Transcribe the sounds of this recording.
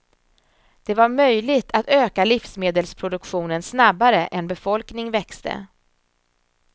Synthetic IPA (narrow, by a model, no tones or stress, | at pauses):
d̪̥ɛvaɾmœjlɪɡt̪ʰat̪øːkalɪfsmeːd̪əlspʰɾʊd̪ɵkɧuːnənsnabːaɾəʔɛnbɛfɔlknɪŋvɛkst̪ə̰